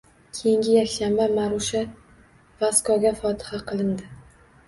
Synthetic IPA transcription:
kʲʰejɪŋɡʲɪjakʲʃambamaɾʊʃa | vaskʰɒɡʲafɒt̪ʰɪ̥haqʰɨlˠɪnd̪ɪ

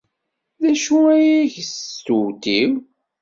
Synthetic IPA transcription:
ðæʃuæjiçst̪ut̪iw

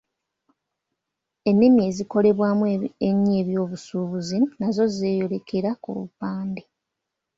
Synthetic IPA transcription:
e̞nːemie̞ːziko̞le̞βwaːmueɲːe̞ːβjo̞ːβusuːβuzinazo̞ze̞ːjo̞le̞ke̞ɾakṵβṵpaːnde

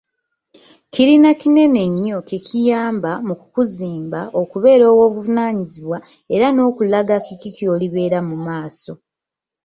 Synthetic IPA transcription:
kiɾinakine̞ne̞ɲːo̞kekʰijaːmbamuku̥kuziːmbaʔo̞kuβe̞ːɾo̞ːwo̞ːβuvunaːɲiziβwa | e̞ɾano̞ːkulaɡakikikio̞ːliβe̞ːɾamumaːso̞

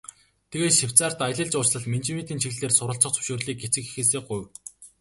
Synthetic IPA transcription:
t̪ʰeɣeːt̪ʃiw̥ʲt͡saːr̥t̪aj̆ɮə̆ɮt͡ɕʊːt͡ɕɮə̆ɮment͡ɕimet̪iːnt͡ɕʰiɣɮeːrsʊɾə̆ɬt͡sɞ̆χt͡sʰɵ̥wʃoːrɮiːk̚ɡet͡sɘ̆xi̥xeːseːɢʊjw

